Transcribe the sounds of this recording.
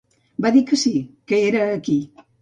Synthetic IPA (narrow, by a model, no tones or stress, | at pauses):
baðikəsikəeɾəːki